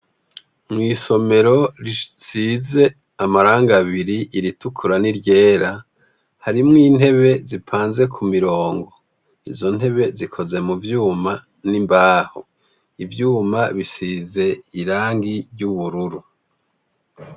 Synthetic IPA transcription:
mŋiːso̞me̞ɾo̞ɾisize̞ | amaɾaːŋɡaβiɾiʔiɾitukʰuɾaniɾje̞ːɾa | haɾimŋiːn̥he̞βe̞zipʰaːnze̞kʰumiɾo̞ːŋɡo̞ | ḭzo̞n̥he̞βe̞zikʰo̞ze̞muvjuːma | nimbaːho̰ | ivjuːmaβisize̞iɾaːŋɡiɾɟuβuɾuɾu

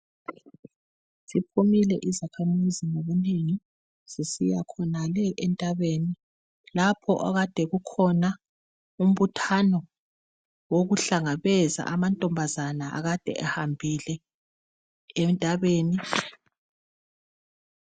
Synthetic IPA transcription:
sipʰumilɛʔizakʰamiziŋoβuneŋi | z̥isijakʰɔnalɛʔɛntʼaβeːni | lapʰɔ̰ʔaɣad̥ʱɛɣukʰɔna | um̩βutʰanɔ | woɣuɬaŋaβɛza̰ʔamantʼɔmbʱazanaʔa̰ɣad̥ʱɛ̰ʔahambʱilɛ | ntʼaβeːni

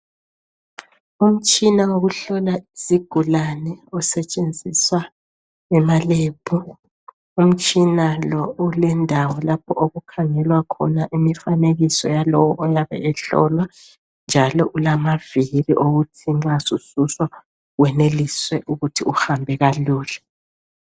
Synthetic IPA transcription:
um̩t͡ʃʼinaoɣuɬɔlaisiɡ̥ʱulanɛɔsɛt͡ʃʼend͡zʱiswa | ɛmaleːpʰu | um̩t͡ʃʼinalɔulɛndʱawɔlapʰɔʔoɣukʰaŋɛlwakʰɔnaʔimifaneɣisɔ̰jalɔwɔʔɔjaβɛ̰ɛɬɔ̰lwa | nd͡ʒʱalɔʔulamaviriʔoɣutʰiŋ͡ǁasususwa | ɣwɛneliswɛʔuɣutʰiuxambʱɛɣaluːlɛ

